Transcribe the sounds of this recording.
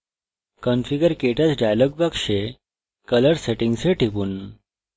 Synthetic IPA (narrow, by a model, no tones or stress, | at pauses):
kənfiɡəɾkeʈat͡sɖajlɔɡ̚bakʂe | kələɾseʈiŋɡseʈʰiʋuːn